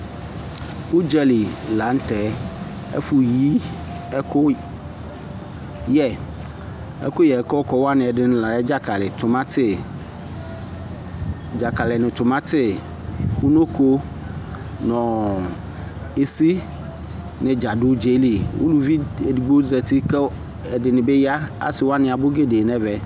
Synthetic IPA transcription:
u˦d͡ʒɛ˦li˨la˨˦n̩˦t̪ɛ˨ | ɛ̰˦fu˨ji˦ | ɛ˦kʰo˦ | jɛ˨ | ɛ̰˦ko˦jɛ˨ɛ˨kɔ˦kɔ˦wa˦nɪ̃˨ɛ˨ɖɪ˦n˦la˨ɛ˦d͡ʒa˦ka˨lɪ˨t̪ʊ˨mã˦t̪ɪ˦˨ | d͡ʒa˨ka˨lɪ˨nɪ̃˨t̪ʊ˨mã˦t̪ɪ˦ | wo˦no˦ko˦ | nɔ̃˨ | e˨si˦ | nɪ̃˨d͡ʒa˨dʊ˦d͡ʒe˦li˨wo̰˦lu˦vi˦e˨di˨ɡ͡bo˦zɛ˨t̪i˦kɛ˦ | ɛ˨dɪ˨nɪ̃˨be˦ja˦a̰˨sɪ˨wo˦a˦nɪ̃˨a˨bʊ˦ɡe˦de˨nɛ̃˦vɛ˨

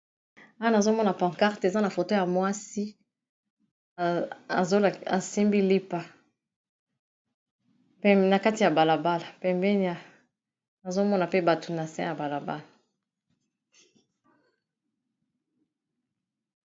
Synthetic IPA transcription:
a˦wa˦na˨zo˦mɔ˦na˨pã˨ŋka˦ʁte˨za˦na˨fo˨to˦ja˨mwa˦si˦ | a˨zo˦˨a˨si˦mbi˦li˦pa˨ | pɛ˦na˨ka˦ti˨a˨ba˨la˨ba˦la˨pɛ˨mbɛ˦ni˦a˨ | na˨zo˦mɔ˦na˨pe˦ba˨tʰu˨na˨sɛ̰̃˦ja˨ba˨la˨ba̰˦la˨

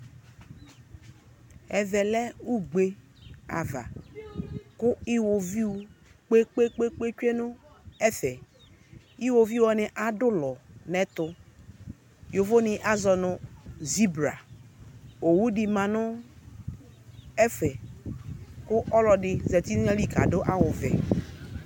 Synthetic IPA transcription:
ɛ˨vɛ˨lɛ˦u˦ɡ͡be˦a̰˨va̰˨ | kʊ˦i˦wo˨vi˦u˨k͡pe˦k͡pe˦k͡pe˦k͡pe˦t͡ʃʷe˦nʊ˦ɛ˦fɛ˨ | i˦wo˨vi˦ɔ˨nɪ˨ʔa˨dʊ˦lɔ˨nɛ˦tʊ˨ | jo˨vo˦nɪ˨ʔa˦zɔ˨nʊ˨zi˦bɾa̰˨ | o˨wu˦di˨mã˨nʊ˦ | ɛ˦fɛ˨ | kʊ˦ʔɔ˦lɔ˨dɪ˨zɛ˨ti˦ɛ˦li˦ka̰˨dʊ˦ʔa˦wʊ˨vɛ̰˨

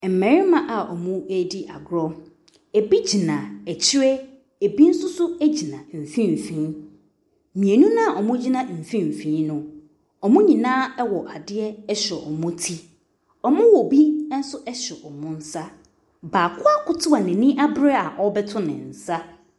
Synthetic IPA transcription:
m̩˨mɛ̃˨ɾɪ˦mã˦ʔa˨ɔ˨mʊ̃˦e˦di˦ʔa˨ɡɾɔ˦ | e˨bi˦d͡ʑi˨nã˨ɛ˨t͡ɕʰɪ˦ɾɛ˦ | e˨bi˦n̩˦sʊ˦sʊ˦æ˦d͡ʑi˨nã˨m̩˨fĩ˦m˨fĩː˨˦ | mĩ˨e˨nũ˦nã˦˨ʔɔ˨mʊ̃˦d͡ʑi˦nã˦m̩˨fĩ˦m̩˨fĩː˨˦nʊ̃˦ | ɔ˨mʊ̃˦ɲĩ˨nãː˦ɛ˦wɔ˨ʔa˨dɪ˦ɛ˦ɛ˦ɕᶣɛ˨ʔɔ˨mʊ̃˦tʰi˦ | ɔ˨mʊ̃˦wɔ˨bi˦n̩˦sʊ˦ʔɛ˦ɕᶣɛ˨ʔɔ˨mʊ̃˦n̩˦sa˦ | baː˨kʰʊ˦a˦kʊ˦tʰʊ˦a˨nɛ̃˨nĩ˦ʔa˦bɾɛ˦a˨ʔɔ˦bɛ˦tʰʊ˦nɪ̰̃˨n̩˨sa˦

